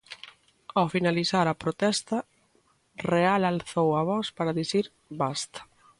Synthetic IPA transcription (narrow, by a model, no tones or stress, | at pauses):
awfinaliθaɾɐpɾot̪ɛst̪ɐ | realalθowaβɔspaɾɐðiθiɾ | bast̪ɐ̥